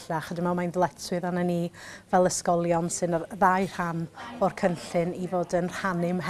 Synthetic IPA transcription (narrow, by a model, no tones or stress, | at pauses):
aχədɪmɛlˠmajnðlˠɛtʰwɨðananivɛlˠəskɔlˠjɔnsɨnðajr̥hanɔrkʰənɬɨnivoːdənr̥hanɪmɦ